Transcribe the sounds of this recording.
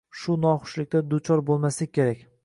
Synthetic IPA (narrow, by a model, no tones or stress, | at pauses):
ʃʊnɒχʊ̥ʃlɪk̚ʲt̪ad̪ʊt͡ʃʰɒɾbolˠmaslɪk̚ʲkʲʰe̞ɾakʲ